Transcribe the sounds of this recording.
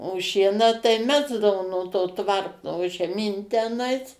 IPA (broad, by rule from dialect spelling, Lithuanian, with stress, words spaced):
oː ˈʃʲiɛnɑː tɐɪ ˈmʲæːzdɐʋoː nuɔ toː ˈtʋɐrtoː ʒʲɛˈmʲiːn tʲɛˈnɐɪs